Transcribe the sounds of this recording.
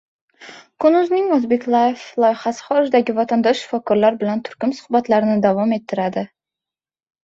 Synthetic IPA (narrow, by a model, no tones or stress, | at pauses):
kʰʊnʊznɪŋozbe̞kʲlˠajeflˠɒjχasɪ̥χɒɾɪʒd̪aɡʲɪvat̪ʰand̪ɒʃːɪ̥fɒkʰɒɾlaɾbɪlant̪ʰʊ̥ɾkʲʊmsʊ̥hbat̪laɾɪnɪd̪avɒme̞t̪ʰːɪɾad̪ɪ